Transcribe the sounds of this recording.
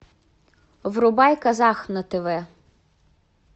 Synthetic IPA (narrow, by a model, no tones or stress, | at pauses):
ʋrʊbɑjkɐzɑxnɐt̪eʋɛ